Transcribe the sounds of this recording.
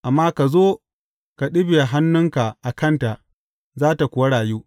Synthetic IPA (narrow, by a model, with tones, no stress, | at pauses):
ʔa˨mːaː˦ka˨zoː˦ | ka˨ɗɪ˦be˨ɦa˦nːʊ˦ŋka˨ʔa˨kɐ˦˨nta˨ʔ | zaː˦ta˨kʷʊ˨wa˦ɽaː˨juː˦